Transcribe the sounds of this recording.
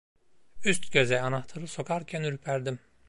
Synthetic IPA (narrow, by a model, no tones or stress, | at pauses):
yst̪ɟø̞zɛanaht̪ʰɯɾɯso̞kʰaɾcʰænyɾypʰæɾd̪im